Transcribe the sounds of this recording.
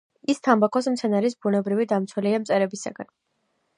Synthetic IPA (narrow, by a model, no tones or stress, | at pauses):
ist̪ʰambakʰɔs̬mt̪sʰɛnaɾis̬bunɛbɾivid̪amt̪sʰwɛliamt̪sʼɛɾɛbisa̰ɡan